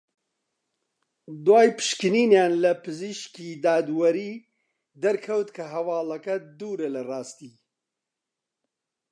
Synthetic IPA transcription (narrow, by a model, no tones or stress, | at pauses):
d̪waːjpʰɨ̥ʃkɨniːnjaːnlɐpʰɨziʃkiːd̪aːd̪wɐɾiː | d̪ɐɾkʰɐwt̪kʰɐɦɐwaːlɐkɐd̪uːɾɐlɐrɑːst̪iː